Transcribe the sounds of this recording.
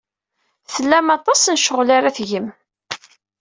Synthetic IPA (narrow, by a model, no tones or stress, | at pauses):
θəlːæmɑt̪ˤɑsnʃəʁlaɾaθʝəm